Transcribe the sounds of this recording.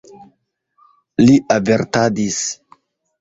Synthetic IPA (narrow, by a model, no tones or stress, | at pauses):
liʔaveɾtadis